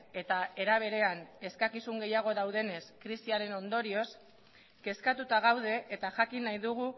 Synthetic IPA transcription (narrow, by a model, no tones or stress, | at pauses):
e̞t̪ae̞ɾaβ̞e̞ɾe̞ane̞skakisuŋɡe̞jaɣ̞o̞ðawð̞e̞ne̞skɾisiaɾe̞no̞nd̪o̞ɾio̞s | ke̞skat̪ut̪aɣ̞awð̞e̞ʔet̪aʝakinajðuɣ̞u